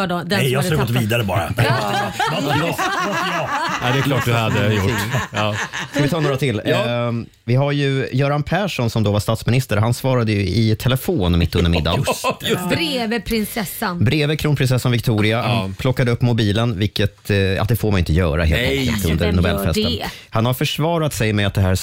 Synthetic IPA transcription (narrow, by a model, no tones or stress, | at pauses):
ɖɔd̪ɛɛjɑslːɡɔːt̪ːviːd̪aɾəbɑ̰ːɾa̰ | ɛd̪ɛkʰlɑːʈ̚d̪had̪ːəjʊɪ | skavɪt̪ʰɑːnoːɾat̪ʰɪlː | vɪɦaɾjɵjœːɾanpʰæːʂɔnsɔmd̪oːvaʂt̪aːt̪smɪnɪst̪əɾɦansvɑːɾad̪əjɵɪt̪ʰɛlɛfoːnmɪt̪ːɵnd̪əɾmɪ̰d̪ːa̰jɾeːvəpʰɾɪnsɛsːanbɾeːvəkʰɾuːnpʰɾɪnsɛsːanvɪkt̪ʰuːɾɪapʰlɔkːad̪əɵpːmʊbiːlənvɪlkːət̪a̰d̪ɛfoːmanɪnt̪əjœ̰ːɾa̰hḛːlɔkːə̰t̪ɵ̰nd̪əɾnʊbɛ̰lfɛsənhanhaɾfœʂvɑːɾat̪sɛjmɛat̪d̪ɛɦæːɾ